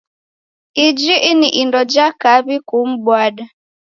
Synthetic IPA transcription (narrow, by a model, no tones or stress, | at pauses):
ɪd͡ʒiʔɪnɪʔindɔd͡ʒakabikum̩bwada